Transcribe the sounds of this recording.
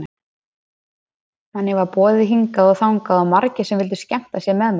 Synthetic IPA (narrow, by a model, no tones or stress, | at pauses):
hanːɪvapɔːðɪɦiŋkaðɔɣθawŋkaðɔɣmaɾcɪsɛmvɪlt̪̬ʏscɛm̥t̪asjɛmɛðm